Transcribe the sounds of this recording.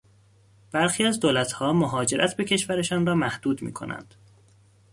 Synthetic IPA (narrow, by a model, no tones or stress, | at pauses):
b̥æɾxiːæzd̪oːlæt̪ʰhɒːmoɦɒːd͡ʒe̞ɾʔæt̪ʰbe̞cʰe̞ʃvæɾe̞ʃɒːnrɒːmæhd̪̥uːd̪mḭːkʰo̞̰næ̰nd̪̥